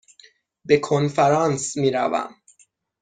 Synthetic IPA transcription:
bekʰonfæɾɑːnsmiːɾæ̰væ̰m

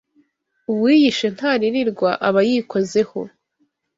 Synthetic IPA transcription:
uβwiːjiʃe̞n̥haɾiɾiɾɡwaʔaβajikʰo̞ze̞ho̞̰

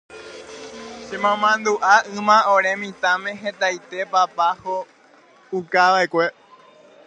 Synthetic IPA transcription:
ʃemãmãnd̪uʔaɨ̃mãoɾẽmĩt̪ãmẽ̞ɦẽt̪ajt̪e̞papaho | ukaʋaekʷe̞

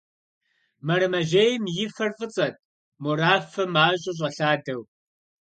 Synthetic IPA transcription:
mɐɾɨmɐʒejmjɪfɐrfɨt͡sʼɐt̚ʼ | moɾaːfɐmaːɕʷʼɪɕ̬ʼɐɬaːdɐw

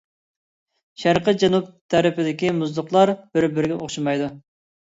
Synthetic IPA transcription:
ʃæɾqəd͡ʒɛnup̚t̪ʰæɾɪpɪd̪ɪkʲimʊzd̪ˠʊqlˠɑɾb̥ɪɾbɪɾɡʲɛʔoχʃumɑjd̪u

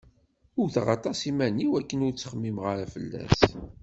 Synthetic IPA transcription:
ʊɾθʁɑ̰t̪ˤɑsimæniwækːənʊɾt͡sːə̥χəmːimʁaɾæfəlːæ̰s

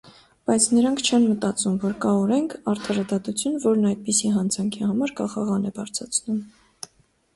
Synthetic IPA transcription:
b̥ɑjt͡sʰnəɾɑŋkʰt͡ʃʰɛnmət̪ɑt͡sumvɔɾkɑɔɾɛŋkʰɑɾt̪ʰɑɾɑd̪ɑt̪ut͡sʰjunvɔɾnɑjd̪̚pisiɦɑnd͡zɑŋkʰihɑmɑɾkɑχɑʁɑnɛbɑɾt͡sʰɑt͡sʰnum

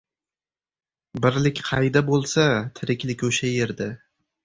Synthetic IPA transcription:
bɪɾlɪkʲqʰɑjd̪abolˠsat̪ʰɪɾɪkʲlɪkʲoʃajeɾd̪a

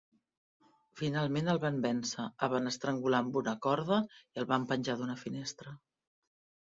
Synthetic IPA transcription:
finalˠmenəlˠβambɛnsəəβanəst̪ɾəŋɡulambunəkɔɾð̞əiəlˠβampənʲʒaðunəfinest̪ɾə

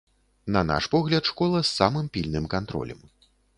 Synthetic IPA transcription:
nɐna̰ʂpɔɣlʲɐt̪ʂkɔlˠɐsːamɨmpʲilʲnɨmkant̪ɾɔ̰lʲɐ̰m

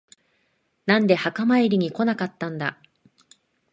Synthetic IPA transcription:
nãnd̪e̞hakamaiɾʲiɲ̟iko̞nakat̪ːãnd̪a̰

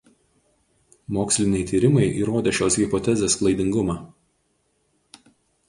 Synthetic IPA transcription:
moːksʲlʲɪnʲɛɪt̪ʲiːɾʲɪmɐɪʔiːɾoːd̪ʲeːʃʲoːsɣʲɪpɔt̪ʲɛzʲeːsklˠɐɪd̪ʲɪŋɡʊmɑː

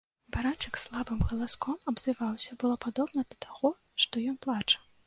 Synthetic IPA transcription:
baɾat͡ʂɨkslˠabɨmɣɐlˠaskɔmɐbzɨvawsʲɐbɨlˠɔpad̪ɔbnɐd̪ɐt̪aɣɔ | ʂt̪ɔjɔnplˠat͡ʂɐ̥

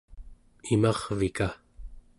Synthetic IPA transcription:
imɑʁvika

